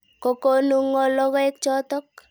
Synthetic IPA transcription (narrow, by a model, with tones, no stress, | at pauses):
ko˨ko˦nu˦ŋːɔ˦lɔ˦kɔ˦ɛ˦k̚t͡ʃɔ˦tɔ˦k̚